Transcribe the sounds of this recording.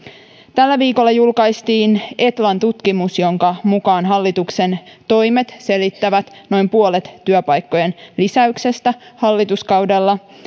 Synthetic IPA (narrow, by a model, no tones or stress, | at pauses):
t̪ælːæʋiːko̞lːɑjulkɑjst̪iːne̞t̪lɑnt̪ut̪kimusjo̞ŋkɑmukɑːnɦɑlːit̪ukse̞nt̪o̞jme̞t̪se̞lit̪ːæʋæt̪no̞jmpuolet̪ːyøpɑjkːo̞jenlisæykse̞st̪æhɑlːit̪uskɑwdɑlːɑ